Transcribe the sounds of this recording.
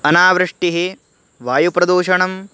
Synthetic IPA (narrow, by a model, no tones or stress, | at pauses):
ɐnaːʋɾɨʂʈiɦe | ʋaːjupɾɐd̪uːʃɐɳɐm